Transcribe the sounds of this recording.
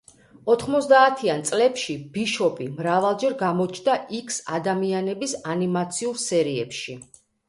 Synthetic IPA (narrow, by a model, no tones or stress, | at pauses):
ɔt̪ʰχmɔt̪sʰd̪aːt̪ʰiant̪sʼlɛpʃib̥iʃɔbimɾavalˠd͡ʒɛɾɡamɔt͡ʃʰnd̪aʔikʰsa̰d̪amianɛbisanimat̪sʰiuɾsɛɾiɛ̰pʃi